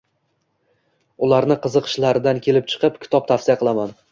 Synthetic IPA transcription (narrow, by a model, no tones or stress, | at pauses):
ʊlˠaɾnɪqʰɨzɨqʰɨ̥ʃlaɾɪd̪ankʲʰe̞lɪp̚t͡ʃʰɨ̥qɨpkʲʰɪ̥t̪ʰɒp̚t̪ʰafsijaqʰɨlˠaman